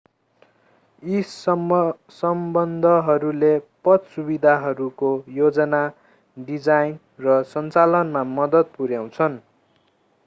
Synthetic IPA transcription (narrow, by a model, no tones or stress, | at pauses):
is | sʌmbʌnd̪ʱʌɦʌɾulepʌt̪subid̪ʱaɦʌɾukojod͡zʌna | ɖid͡zajn | rʌsʌnt͡salʌnmamʌd̪ʌt̪̚puɾjaw̃t͡sʰʌn